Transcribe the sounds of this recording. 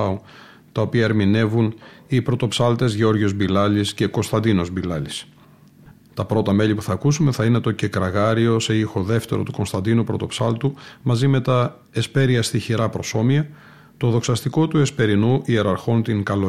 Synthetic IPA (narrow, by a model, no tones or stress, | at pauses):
o | t̪ɐopiɐeɾmine̞vunipɾo̞t̪o̞psɐlt̪e̞zʝo̞ɾʝo̞zbilɐlisce̞ko̞nst̪ɐnd̪ino̞zbilɐlis | t̪ɐpɾo̞t̪ɐme̞lipuθɐːkusume̞θɐine̞t̪o̞ce̞kɾɐɣɐɾio̞seixo̞ðe̞ft̪e̞ɾo̞̰t̪uko̞nst̪ɐnd̪inupɾo̞t̪o̞psɐlt̪umɐzime̞t̪ɐ | espe̞ɾiɐst̪içiɾɐpɾo̞so̞miɐ | t̪o̞ðo̞ksɐst̪iko̞t̪ue̞spe̞ɾinuʔie̞ɾɐɾxo̞nt̪iŋkɐlo